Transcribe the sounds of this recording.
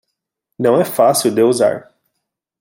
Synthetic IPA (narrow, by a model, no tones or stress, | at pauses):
nɐ̃w̃ɛfasiwd̪euza̰ɾ